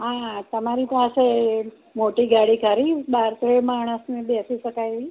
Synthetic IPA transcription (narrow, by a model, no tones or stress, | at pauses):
ɦãt̪əmaɾipase | moʈiɡaɽikəɾibaɾt̪ɾemaɳ̃əsmẽbesiʃəkaeʋi